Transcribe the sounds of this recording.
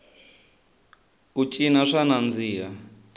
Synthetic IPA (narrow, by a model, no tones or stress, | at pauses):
kut͡ʃʼinaʂanand͡ziːa